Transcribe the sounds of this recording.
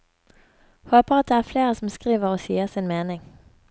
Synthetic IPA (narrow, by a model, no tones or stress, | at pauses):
hoːpəʁɑt̪̚d̪eːæːfleːʁəsɔmskʁiːʋəʁoːsḭːəsɪnmeːnɪŋ